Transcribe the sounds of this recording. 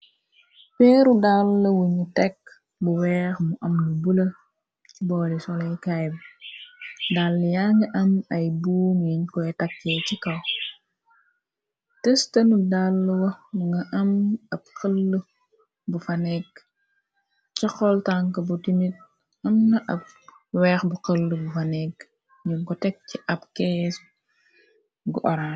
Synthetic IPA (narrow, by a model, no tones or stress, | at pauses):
pɛːɾudalːɐwuɲutɛk | buwɛːxmuʔɐmnubulɐ | t͡ʃibɔːlisɔlɛjkajb | dalːjaŋɡɐʔɐmɐjbuːŋiɲkɔɛtɐkːɛcikɐw | tɛstɐnudalːwɐŋɡɐʔɐmɐb̚kəlːu | bufɐnɛɡ | t͡ʃɔxɔltaŋkɐbutimit̚ | ɐmnɐʔɐp̚ | wɛːxbuqəlːubufɐnɛk | jiŋkɔtɛk̚ciʔɐpkɛːs | ɡuʔɔɾan